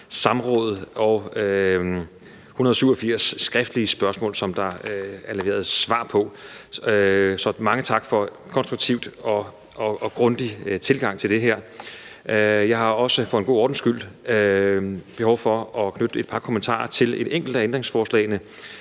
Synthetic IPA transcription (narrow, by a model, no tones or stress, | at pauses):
sɑ̈mʁɔ̰̽ːð̩ˠɒʊø | hunɐð̞ˠsyʊ̰ɒfiɐ̰sːɡ̥ʁɛfd̥əliəsb̥ɶɐsmɔ̰ːlsɒ̽md̥ɑ̈æɐleʋe̝̰ːɐð̞ˠsʋɑ̰̈ːpʰɒ̽ | sɒ̽mɑ̈ŋət͡sʰɑ̈ɡ̥fɒ̽ | kʰɒ̽nsd̥ʁuɡ̥̚t͡sʰiʊd̥ɒ̽ | ɒɒ̽ɡ̥ʁɔ̽nd̥it͡sʰe̝lɡ̥ɑ̈ŋ̰t͡sʰe̝ld̥e̝ɦæɐ̰ | jɑ̈ɪhɑ̈ɒ̽səfɔ̥̽enŋɡo̝̰ːɒːd̥n̩sɡ̥yl̰ | b̥e̝ɦɒʊfɒ̽ɒ̽kʰnød̥əe̝d̥̚pʰɑ̈kʰo̝mənt͡sʰɑ̰̈ːɐt͡sʰe̝le̝d̥eŋ̰ɡ̥l̩d̥æend̥ʁeŋsfɒːslɛ̰ɪnə